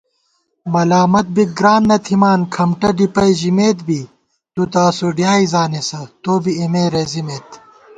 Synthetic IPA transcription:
mɐlaːmɐt̪̚bik̚ɡɾaːnːɐt̪ʰimaːnkʰɐmʈɐɖipɐjʑimeːt̪bi | t̪ut̪aːsuɖjaːizaːnesɐt̪oːbiimeːɾezimeːt̪

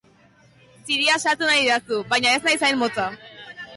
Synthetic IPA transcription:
siɾiasat̪unaɾiðeasuβajɲae̞snajsajnmot͡sa

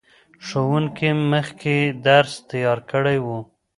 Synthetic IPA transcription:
ʃowuŋkimːəxkʰed̪aɾst̪ajɑɾkəɽajwu

